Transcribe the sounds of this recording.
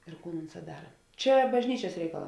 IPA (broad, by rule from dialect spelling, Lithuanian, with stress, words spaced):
ɪr ˈkuːn ˈʊnˌsɑː ˈdɑːrɐ ˈt͡ʃʲɛ bɐʒʲˈnʲiːt͡ʃʲɛs ˈrʲɛɪkɐˌlˠɑː